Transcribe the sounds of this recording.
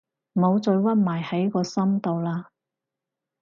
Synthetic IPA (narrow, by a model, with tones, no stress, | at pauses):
mo˨˧wt͡sɵ˧ɥwɐ˥t̚maː˨˩jhɐ˨˥jkɔː˧sɐ˥mt̪o˨wlaː˧